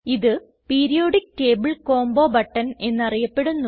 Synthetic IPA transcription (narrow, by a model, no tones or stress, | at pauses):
iðɨ | piːɾijo̞ːɽik̚ːʈeːbuɭko̞ːmbo̞ːbɐʈːɐne̞nːɐrijɐpːe̞ɽunːu